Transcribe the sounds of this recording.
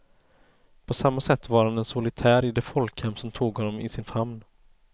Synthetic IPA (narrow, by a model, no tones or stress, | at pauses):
pʰɔsamːasɛt̪ːvaɾhanɛnsʊlɪt̪ʰæːɾɪd̪ɛfɔlkhɛmːsɔmt̪ʰuːɡhɔnːɔmɪsɪnfamn